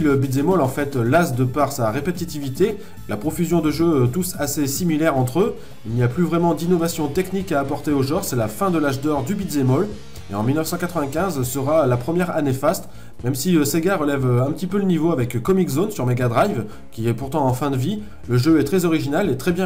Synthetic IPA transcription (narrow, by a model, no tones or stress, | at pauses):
ləbid̪zemɔlɑ̃fɛt̪lasd̪əpaʁsaʁepet̪it̪ivit̪e | lapχɔfyzjɔ̃d̪əʒøt̪usasesimilɛʁɑ̃t̪χø | ilnijaplyvʁɛmɑ̃d̪inɔvasjɔ̃t̪ɛknikaːpɔʁt̪eoʒɑ̃ʁsɛlafɛ̃d̪əlaʒd̪ɔʁd̪ybid̪zemɔl | ḛɑ̃milnəfsɑ̃kat̪χəvɛ̃kʲɛ̃zsəʁalapχəmjɛʁanefast̪ | mɛmsiøseɡaʁəlɛvøɛ̃pət̪ipølənivoavɛkkːɔmikzonsyʁmeɡad̪ʁajv | kʲiɛpuʁt̪ɑ̃ɑ̃fɛ̃d̪əvi | ləʒøɛt̪χɛzɔʁiʒinalet̪χɛbjɛ̃